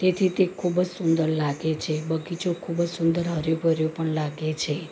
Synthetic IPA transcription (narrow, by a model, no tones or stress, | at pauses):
t̪et̪ʰit̪ekʰubəd͡ʒsund̪əɾlaɡet͡ʃʰebəɡit͡ʃokʰubəd͡ʒsund̪əɾɦəɾobəɾjopəɳlaɡet͡ʃʰe